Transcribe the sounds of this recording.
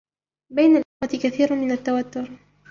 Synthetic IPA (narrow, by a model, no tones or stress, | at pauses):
bajnalʔɪxwat̪ɪkaθiːɾmɪnat̪ːawat̪ːʊɾ